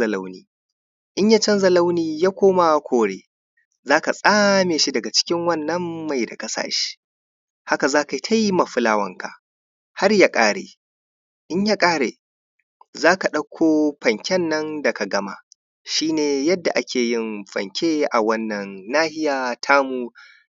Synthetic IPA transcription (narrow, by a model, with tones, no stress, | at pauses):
ɐ˨la˦wniː˦ | ʔɪ˦ɲjaː˦t͡ʃɐ˦nzɐ˨la˦wniː˨jaː˦kʷoː˦ma˨kʷoː˨ɽeː˦ | zaː˦ka˨sʼaː˦meː˨ʃi˦dɐ˨ɡa˨t͡ʃɪ̥˦kʲɪ˦ŋwɐ˦˨nːɐ˦mːa˨jda̰˨kʼɐ˦sa̰ː˨ʃi̥˦ | ha˦ka˨zaː˦ka˨˦tʰa˦jma˨ɸʊ˦laː˦wɐ˦ŋka̰˨ | ha˦rjaː˦kʼaː˦ɽḛː˨ | ʔɪ˦ɲjaː˦kʼaː˦ɽeː˨ | zaː˦ka˨ɗɐ˦kʷʰoː˦ɸɐ˨ŋkʲɛ˦nːɐ˦ndɐ˨ka˨ɡɐ˦ma̰˨ | ʃiː˦neː˨jɐ˦dːa̰˨ʔa˦kʲeː˨jɪ˦nɸɐ̰˨ŋkʲʰeː˦ʔa˨wɐ˦nːɐ˨nːaː˦hɪ˦jaː˨tʰaː˦muː˨